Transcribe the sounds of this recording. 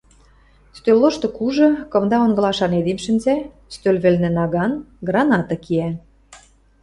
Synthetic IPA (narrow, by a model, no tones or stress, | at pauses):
st̪øloʃt̪ɤ̆kuʒɤ̆kɤ̆md̪ɑonɡɤlɑʃɑned̪imʃə̆nʲzæ | st̪ølʲβĕlnĕnɑɣɑnɡrɑnɑt̪ɤ̆kiæ